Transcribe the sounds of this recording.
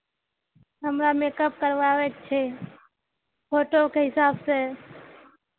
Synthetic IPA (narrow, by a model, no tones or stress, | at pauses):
ɦəmɾamekəp̚kəɾʋaʋek̚t͡ʃʰɛ | pʰoʈokeɦɪsabse